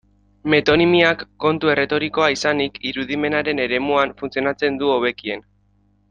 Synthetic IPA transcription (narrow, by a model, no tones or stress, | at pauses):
me̞t̪o̞nimiakːo̞nt̪ue̞re̞t̪o̞ɾiko̞aisanikiɾuðime̞naɾe̞ne̞ɾe̞muaɱfunt͡sio̞nat͡se̞nd̪uo̞β̞e̞kie̞n